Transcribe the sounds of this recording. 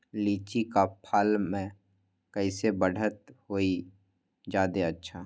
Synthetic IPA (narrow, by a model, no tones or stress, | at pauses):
liːt͡ʃikapʰalmẽ | kəɪsebəɽ̤ʱət̪hoːi | d͡ʒaːd̪eətːʃʰaː